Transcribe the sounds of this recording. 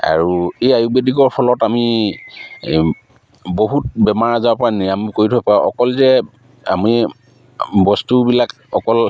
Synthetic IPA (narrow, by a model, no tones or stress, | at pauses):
a̰ɹuejajuk̚bediɡɔɹpʰɔlɔtami | boɦut̚bɛmaɹazapɔɹanijamkoɹitʰɔpaɔ̰kɔlzɛ | a̰mi | bɔstubilak | ɔkɔl